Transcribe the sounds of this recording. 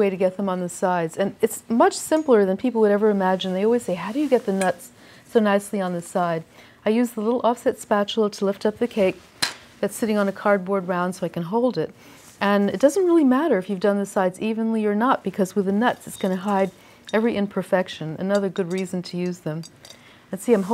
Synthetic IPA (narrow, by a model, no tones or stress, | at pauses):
weɪɾɨɡɛt̪̚ðə̃mə̃nðɨsaɪdz̥ɨ̃nɨtsmʌt͡ʃsɪ̃mpl̩ˠə˞ðɨ̃npʰipl̩ˠwəɾɛvə˞ɨmæd͡ʒɨ̃n̩ðeɪɔlˠwiz̥seɪɦaʊɾɨjɨɡɛt̪̚ðɨnʌts | soʊnaɪsliə̃nðɨsaɪɾ | aɪjʉzðəlɪɾl̩ˠʔɔfsɛtspæt͡ʃl̩ˠəɾʰəlɪftʌp̚ðɨkʰeɪk̚ | ðɨtsɪɾɪ̃ŋə̃nɨkʰɑɹd̚bɔɹd̚ɹãʊ̃nd̥soʊaɪkɨ̃nɦoʊlˠdɪt | ʔɨ̃nɨt̚d̥ʌzn̩t̚ɹɪlˠimæɾə˞ɨfjʉvdʌ̃nðɨsaɪdzivɨ̃nliə˞nət̚b̥ɨkʰʌzwɨðɨnʌtsɨtsɡ̥ʌñɨɦaɪɾ | ɛvɹiʔɨ̃npʰə˞fɛkʃɨ̃nɨ̰nʌðə˞ɡʊd̚ɹizɨ̃n̩tʰɨjʉzðɨ̃m | ɨ̃nsiãɪ̃mɦ